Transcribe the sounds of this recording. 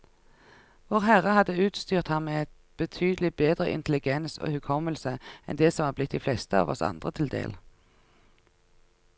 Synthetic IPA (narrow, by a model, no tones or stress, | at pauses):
ʋoːʁhæʁəhɑd̪əʉːt̪st̪yːʁt̪hɑnmeːɛt̪ | b̥ət̪ʰyːd̪əlɪbeːd̪ʁə̰ʔɪ̰nt̪ʰəlɪɡɛnso̰ːhʉkʰɔməlsəʔɛ̰nd̪eːsɔmhɑːblɪt̪̚d̪iːflɛst̪əɑ̰ːʋɔ̰sɑ̰nd̪ʁət̪ʰɪld̪ḛːl